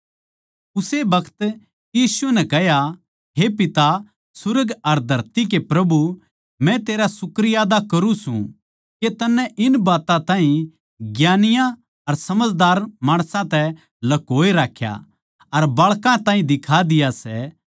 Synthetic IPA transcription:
ʊsebɐkʰt̪ | jiːsuɛnɛ̃kɛɦja | ɦepɪt̪a | sʊɾəɡɐɾd̪ʱɐɾt̪ik̬epɾɐbu | mɛ̃t̪eːɾasʊkɾɪjaːd̪akɐɾũsṵ̃ | ket̪ɐnːɛ̃ʔɪnbaːt̪ãt̪ãːɦĩ | ɡjaːnɪjã | ɐɾsɐməd͡ʒd̪aːɾmãːɽ̃sãt̪ɛ | lɐkoːeɾaːkʰja̰ | ɐɾbɐːɭkãt̪ãːĩd̪ɪkʰad̪ɪjasɛ

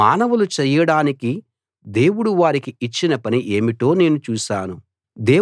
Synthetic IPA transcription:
aːnɐʋulut͡ʃɛjːɐɽaːniki | d̪e̞ːwuɽuʋaːɾikiːt͡ʃːinɐpɐniʔe̞ːmiʈo̞ːne̞ːnut͡ʃuːʃaːnu | d̪e̞ː

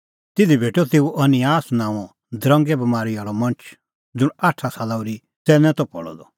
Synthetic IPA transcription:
t̪ɪd̪ʱibʱeːʈɔt̪eːuʔɐnɪaːsnãːɔ̃ | d̪ɾɐ̃ŋɡɛbɐmaːɾiaːɭɔmɐ̃nt͡ʃʰ | d͡zʊɽaːʈʰːasaːlauɾi | tɛːnɛ̃t̪ɔpɔɭɔ̰d̪ɔ

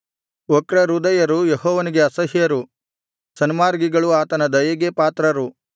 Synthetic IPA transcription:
ɔkɾɐɾud̪ɐjɐɾujeɦɔːʋɐniɡeɐsɐɦjɐɾu | sɐnimaːɾɡiɡɐɭuaːt̪ɐnɐd̪ɐjɐɡepaːt̪ɾɐɾu

